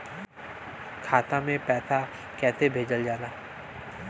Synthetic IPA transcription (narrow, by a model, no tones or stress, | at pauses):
kʰaːt̪amẽpɛːt̪ʰa | kɛːt̪ebʱeːd͡ʒəld͡ʒaːnaː